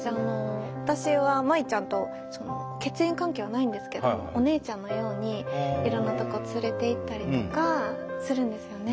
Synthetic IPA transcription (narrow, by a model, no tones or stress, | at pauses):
ano̞βat̪aɕiβamait͡ɕãnt̪o̞ | so̞no̰ | ke̞t͡sɨẽ̞ŋkãŋke̞ːβ̞anaĩnd̪e̞sɨ̥ke̞do̰moone̞ːt͡ɕãnːo̞jo̞ːɲ̟iiɾõ̞nːat̪o̞ko̞ːt͡sɨɾe̞t̪e̞it̪ːaɾʲit̪okasɨɾɯ̟̃nd̪e̞sɨjo̞ne̞